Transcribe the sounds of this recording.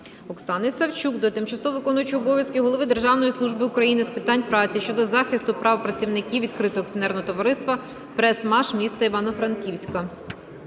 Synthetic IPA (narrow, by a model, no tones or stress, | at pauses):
ɔksɑnɪsɐwt͡ʃukd̪ɔt̪ɪmt͡ʃɐsɔʋɪkɔnʊjʊt͡ʃɪɔbɔʋʲjɐskɪɦɔlˠɔʋɪd̪erʒɑwnɔjislˠuʒbɪʊkɾɐjinɪspɪt̪ɑnʲpɾɑt͡sʲiʃt͡ʃɔd̪ɔzɑxɪst̪ʊpɾɑʋpɾɐt͡sʲiwnɪkʲiwʋʲid̪kɾɪt̪ɔɔːkt͡sʲiɔnɛrnɔɦɔt̪ɔʋɐɾɪst̪ʋɐ | pɾɛsmɑʃmʲist̪ɐiʋɑnɔfɾɐnkʲiwsʲkɐ